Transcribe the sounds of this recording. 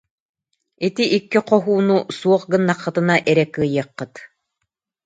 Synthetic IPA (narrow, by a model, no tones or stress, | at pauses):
it̪iʔikːiqɔɦuːnusuɔχɡɯnːaqːɯt̪ɯnaʔɛɾɛkːɯːjɯɐqːɯt̪